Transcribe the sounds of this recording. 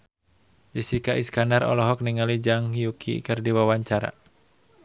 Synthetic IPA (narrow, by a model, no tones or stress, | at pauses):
d͡ʒisikaʔiskanarɔ̰lɔɦɔk̚niŋalid͡ʒaŋjukʰḭkərdiwawaɲt͡ʃaɾa̰